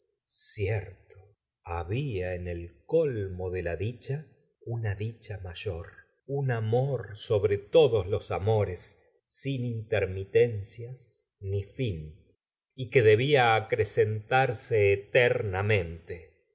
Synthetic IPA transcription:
sjeɾt̪o̥ | aβiaenelkolmoðelaðit͡ʃa | unaðit͡ʃamaʒ̥oɾ | unamoɾsoβɾet̪o̞ðoslosamo̞ɾesː | inint̪eɾmit̪ensjas | nifin | ikeðe̞βiaːkɾesent̪aɾseːt̪eɾnamẽ̞nt̪e

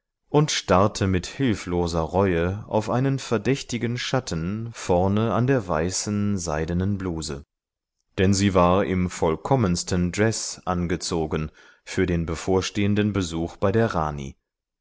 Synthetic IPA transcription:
ʔʊntʃtaɐtʰəmɪthɪlfloːzɐʁɔʏəʔa̰ʊfʔaɪnənfɛɐdɛçtɪɡn̩ʃatʰn̩fɔɐnəandeːɐvaɪsn̩zaɪdənənbluːzə̰ | d̥ɛnziːvaːɐɪmfɔlkʰɔmənstəndʁɛsʔanɡət͡soːɡən | fyːɐdeːnbəfoːɐʃteːəndənbəzuːxb̥aɪdeːɐʁa̰ːnḭ

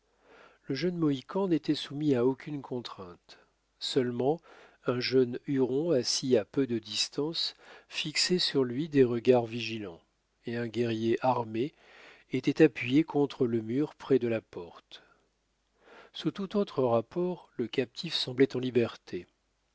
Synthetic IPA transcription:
ləʒənmɔikʰɑ̃net̪ɛsumiaokʲʰynkʰɔ̃t̪χɛ̃t̪ | sœlmɑ̃ | ɛ̃ʒœnyʁɔ̃asiapød̪əd̪ist̪ɑ̃sfiksɛsyʁlɥid̪eʁəɡaʁviʒilɑ̃ | eɛ̃ɡʲɛʁjeʔaʁme | et̪ɛt̪apɥijekɔ̃t̪χələmyʁpχɛd̪əlapɔʁt̪ | sut̪ut̪ot̪χəʁapɔʁləkap̚t̪ʰifsɑ̃blɛt̪ɑ̃libɛʁt̪ʰe

